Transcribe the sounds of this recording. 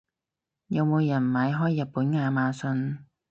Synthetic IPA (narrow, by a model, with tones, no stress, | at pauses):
jɐ˨˧wmo˨˧wjɐ˨˩nmaː˨˧jɦɔː˥jːɐ˨t̚puː˨˥nŋaː˨˧maː˨˧sɵ˧n